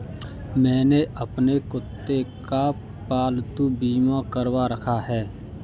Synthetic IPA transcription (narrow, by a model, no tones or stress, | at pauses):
mɛ̃ːneʔəpnekʊt̪ːeka | paːlt̪ubiːmãkəɾwaɾəkʰaɦɛː